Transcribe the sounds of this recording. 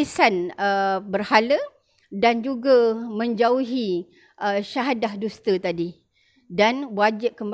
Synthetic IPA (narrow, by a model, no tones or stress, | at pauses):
isanəbərhalə | dand͡ʒuɡamə̃ɲd͡ʒauɦi | ʔəʃaɦadahdust̪ət̪adi | danwad͡ʒɪp̚kəmb